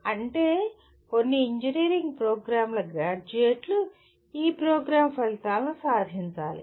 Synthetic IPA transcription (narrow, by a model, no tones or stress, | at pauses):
ɐɳʈe̞ː | ko̞nːiːɲd͡ʒiniːɾiŋɡpɾoːɡɾaːmlɐɡɾaːd͡ʒueːʈlu | iːpɾoːɡɾaːmpɐlt̪aːlɐnisaːɾɦiɲt͡ʃa̰ːlḭ